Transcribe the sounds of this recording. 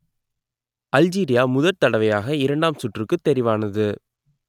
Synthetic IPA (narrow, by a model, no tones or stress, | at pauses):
ʔɐld͡ʒiːɾɪjaːmʊðɐɾt̪ɐɽɐʋɐjaːɣɐɪɾɐɳɖaːmsʊʈrɯkːɯt̪ːɛɾɪʋaːnɐðɯ